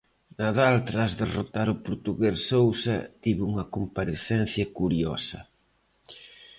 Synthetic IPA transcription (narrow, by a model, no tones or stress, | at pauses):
naðalt̪ɾazðerot̪aɾʊpoɾt̪uɣessowsɐ̰t̪iβuŋɐkompaɾeθɛn̟θjɐkuɾiɔ̰sɐ̰